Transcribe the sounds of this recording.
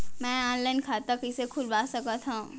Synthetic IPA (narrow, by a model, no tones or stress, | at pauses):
mɛ̃aːnlaːɪnkʰaːt̪əkɪsekʰʊlbaːsɐkat̪ʰã